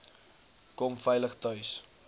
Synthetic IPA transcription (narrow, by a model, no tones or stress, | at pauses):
kɔmfɛjləχtœɥs